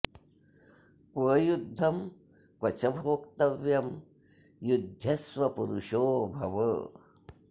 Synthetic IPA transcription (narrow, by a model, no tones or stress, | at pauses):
kwɐːjud̪ʱːɐm | kwɐt͡ʃɐbʱoːkt̪ɐʋjɐm | jud̪ʱjɐswɐpuɾuʂoːbʱɐʋə